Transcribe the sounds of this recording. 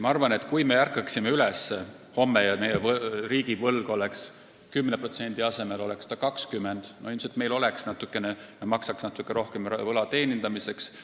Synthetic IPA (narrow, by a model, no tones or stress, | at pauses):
mɑɑrvɑne̞t̪ˑkujme̞jærkːˑɑksimeylɛsːe | ho̞mːejɑmejevriːɡ̥ivɤlɡ̥o̞leks | kymːnepro̞t̪se̞nʲd̪̥iɑse̞me̞lo̞lekst̪ɑkɑkskymːend̪̥no̞ilmselt̪me̞jlo̞leksnɑt̪ːˑukːˑe̞nenɑmɑksɑksnɑt̪ːˑukːˑeɾo̞hkemvɤlɑt̪e̞ːnʲind̪ɑmise̞ks